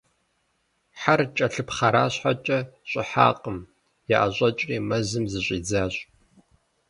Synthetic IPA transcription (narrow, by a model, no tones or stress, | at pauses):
ħart͡ʃʼɐɬɨpχaɾaːɕħat͡ʃʼɐɕʼɪħa̰ːqʼəm | ja̰ʔa̰ɕʷʼɐt͡ʃʼriːmɐzɨmzɨɕʷʼiːd͡zaːɕʼ